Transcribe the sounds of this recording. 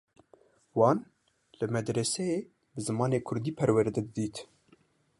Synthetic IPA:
wɑːn | lɨmɛd̪ɾɛsɛjeː | bɨzɨmɑːneːkʰʊɾd̪iːpʰɛɾwɛɾd̪ɛd̪ɨd̪iːt̪

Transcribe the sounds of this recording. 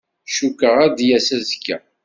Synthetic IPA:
ʃukːəʁæd̪jæsæzkːæ̰

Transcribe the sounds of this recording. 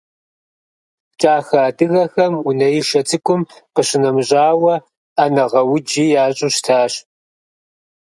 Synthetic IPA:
t͡ʃʼaːxaːdɨɣɐxɐmunɐjɪʃɐt͡sʰʼɨkʷʼʊmqəɕɪnɐmɕʼaːwɐ | anɐʁɐwʊd͡ʒiːjaːɕʼʊɕtʰaːɕ

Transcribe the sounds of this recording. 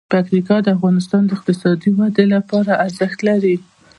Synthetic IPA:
pakt̪ikɑd̪əafɣɑnɪst̪ɑnd̪əɪqt̪ɪsɑd̪iwad̪elapɑɾaʔaɾzəxt̪laɾi

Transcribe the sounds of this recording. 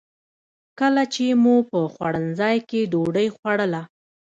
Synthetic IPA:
kəlat͡ʃemupəxwaɽənzɑjkeɖoɖəjxwaɽəla

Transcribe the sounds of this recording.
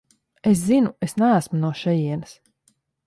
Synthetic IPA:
es̬zinuesnæːsmunuɔʃɛjiɛnɨs

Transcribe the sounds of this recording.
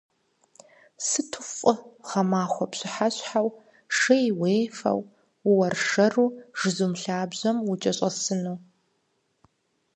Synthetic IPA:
sɨtʰʊfʼʊχɐmaːχʷɔpɕɪħaɕʼħaw | ʂɐjweːfɐ̰w | wɐrʂɐruːʒ̥ɨzumɬaːbʑɐmwʊt͡ʃʼɐɕʼɐsɨnuː

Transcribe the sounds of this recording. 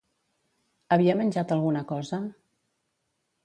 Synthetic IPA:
əβiəmənʲʒat̪əlˠɣunəkɔzə

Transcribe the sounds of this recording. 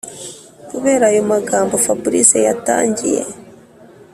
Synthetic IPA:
kuβe̞ːɾaːjomaɡaːmbo̞fabuɾḭsejata̰ːɲɟḭje̞̰

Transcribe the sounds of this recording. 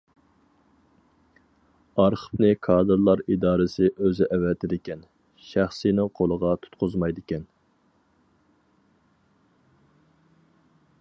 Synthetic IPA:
ɑɾqʰə̥pnɨkʰɑːd̪ɨɾlˠɑɾid̪ɑːɾɨsɪʔøzɪʔɛvɛt̪ʰɪd̪ɪkʲɛn | ʃæχsinɪŋqʰolˠəʁɑt̪ʰu̥t̪qʰʊzmɑjd̪ɪkʲɛn

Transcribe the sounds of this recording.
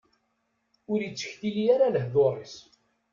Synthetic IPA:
ʊɾjit͡sːə̥çθijiaɾaləhðoɾˤis

